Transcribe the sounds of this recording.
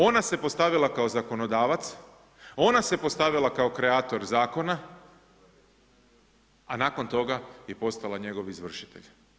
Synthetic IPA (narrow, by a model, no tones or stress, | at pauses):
o̞nase̞po̞st̪aʋilakaozako̞no̞d̪aːʋat̪s | o̞nase̞po̞st̪aʋilˠakao̞kɾe̞aːt̪o̞ɾzaːko̞na | anaːko̞nt̪o̞ɡaje̞po̞st̪alaɲe̞ɡo̞ʋizʋr̩ʃi̥t̪ḛʎ